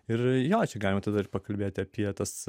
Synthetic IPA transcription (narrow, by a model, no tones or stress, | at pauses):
ɪrjoːt͡ʃʲɛɡɑːlʲɪmɐt̪ɐd̪ɐɪɾpɐkɐlʲbʲeːt̪ʲɪɐpʲiɛt̪ɐs